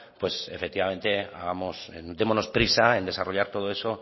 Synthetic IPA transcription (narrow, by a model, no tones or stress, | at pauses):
pwe̞sefe̞k̚t̪iβamẽ̞nt̪e̞a̰ɣamosd̪e̞monospɾisaend̪e̞saro̞ʎaɾt̪o̞ð̞oe̞so̞